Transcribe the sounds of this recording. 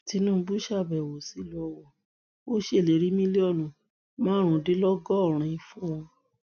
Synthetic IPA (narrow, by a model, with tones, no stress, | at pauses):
ti˨˧˦nũ˦˧bu˦ʃa˦˨bɛ˨wo˨si˨˦lɔ˦wɔ˦˨ | o˦ʃe˦˨le˨˦ɾi˨˦mĩ˦le˦ɔ˦˨nũ˨˦ | mã˦ɾ̃ũ˧˦˨de˦lɔ˦ɡɔ˦˨ɾ̃ĩ˧ĩ˧fũ˦ɔ̃˧